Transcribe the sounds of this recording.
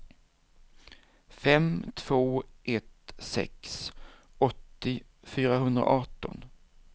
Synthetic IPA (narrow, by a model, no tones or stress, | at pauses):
fɛmt̪ʰv̥oːʔɛt̪sɛ̰ks | ɔt̪ːɪ | fyːɾaɦɵnd̪ɾa̰ʔɑʈɔ̰n